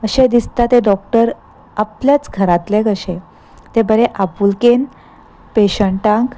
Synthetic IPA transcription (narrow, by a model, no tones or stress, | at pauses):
əɕed̪ist̪at̪eɖɔk̚ʈəɾ | apljat͡sɡʱəɾat̪lekəɕe | t̪ebəɾeʔapulken | peɕəɳʈãŋk